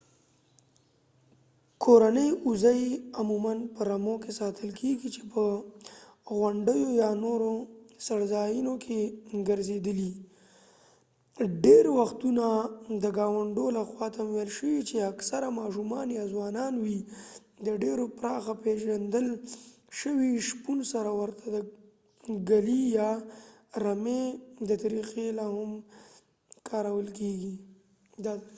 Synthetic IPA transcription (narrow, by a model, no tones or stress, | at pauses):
kʰoɾanəjuzajamumanpəɾamokesɑt̪ʰəlkʰeɡit͡ʃe̥pə | ɣwaɳɖəjojɑnoɾosaɽzɑjinokʰeɡəɾzed̪əli | ɖeɾwaxt̪unad̪əɡɑwaɳɖolaxwɑt̪amwelʃəwit͡ʃeaksaɾamɑʃumɑnjɑzwɑnɑnwi | d̪əɖeɾopɾɑxapeʒand̪əl | ʃəwiʃpunsaɾawəɾt̪ʰad̪ə | ɡalijɑ | ɾamed̪ət̪aɾiqelahʊm | kʰɑɾawəlkeɡi | d̪ɑd̪